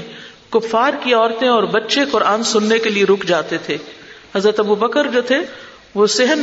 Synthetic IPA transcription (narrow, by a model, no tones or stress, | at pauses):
kʊfaːɾkiɔːɾt̪ẽɔːɾbɐtːʃekʊɾaːnsʊnːekelieɾʊkʰd͡ʒaːt̪et̪ʰeːhɐzɾət̪ɐbubəkəɾd͡ʒoːt̪ʰe | ʋosɪɦən